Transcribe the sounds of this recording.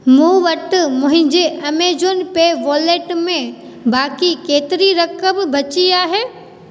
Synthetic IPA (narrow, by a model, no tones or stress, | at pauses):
mũːʋɐʈ̆mʊ̃ɦɪ̃ɲd͡ʑeʔɐmeːd͡ʑonɪ̆peːʋoːleːʈmẽ | baːkikeːt̪ɪɾiɾɐkəmbʱɐt͡ɕiaːɦeː